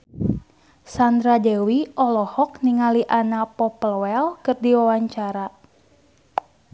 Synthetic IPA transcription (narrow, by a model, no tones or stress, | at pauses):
sand̪ɾadɛwiɔlɔhɔk̚niŋaliʔanapɔpəlwɛlkɨrdiwawaɲt͡ʃaɾa